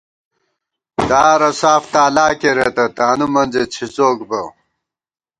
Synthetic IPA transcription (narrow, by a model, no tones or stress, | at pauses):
d̪aːɾɐsaːft̪aːlaːkeɾet̪ɐt̪aːnumɐnd͡ʑet͡ɕʰit͡soːkbɐ